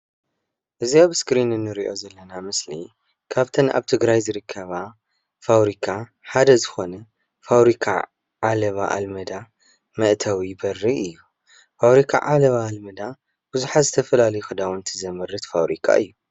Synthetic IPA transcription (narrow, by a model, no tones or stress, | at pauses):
ʔɨziaβskɾinɨnːɨɾiʔo̞zɐlːɐnamɨslḭ | kʰaβt̪ʰɐnʔa̰βt̪ʰɨɡɾajzɨɾɨkʰːɐβa | fawɾikʰa | ħad̪ɐzɨxo̞nɐ | fawɾikʰa̰ | ʕalɐβa̰ʔa̰lmɐd̪a | mɐʔt̪ʰawibɐɾːiʔɨjːu | faβɾikʰa̰ʕalɐβaːlmɐd̪a | b̥ɨzuħat̪zɨt̪ʰɐfɐlalɐjuxɨd̪awnt̪ʰɨzɐmɨɾɨt̪fawɾḭkʰa̰ʔɨ̰jːu